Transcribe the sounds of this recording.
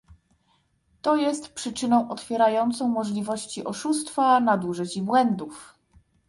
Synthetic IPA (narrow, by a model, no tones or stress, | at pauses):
t̪ɔjɛst̪pʂɘt͡ʂɘnɔ̃w̃ʔɔt̪fʲjɛɾajɔnt̪sɔ̃w̃mɔʐlʲivɔɕt͡ɕiʔɔʂust̪fanad̪uʐɘt͡ɕibwɛnd̪uf